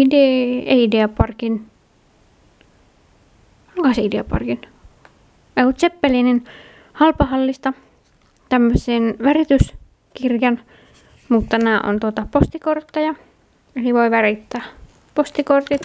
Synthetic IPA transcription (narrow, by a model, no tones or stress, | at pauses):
ideeideɑpɑrkin | olkɑhɑseideɑpɑ̰rkin | eut̪sepːelinin | hɑlpɑhɑlːist̪ɑ | t̪æmːøsenʋærit̪ys | kirjɑn | mut̪ːæmæːˑʔo̰nt̪uot̪ɑpost̪ikort̪ːɑjɑ | eliʋoiʋærit̪ːæː | post̪ikort̪it̪